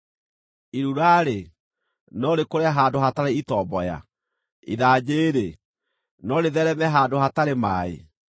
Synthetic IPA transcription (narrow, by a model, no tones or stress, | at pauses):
iɾuɾaːɾe | nɔɾekoɾeaɦaːndoɦataɾeitɔbɔja̰ | ḭðaːd͡ʑeːɾe | nɔɾeðɛɾɛmɛɦaːndoɦataɾemaḛ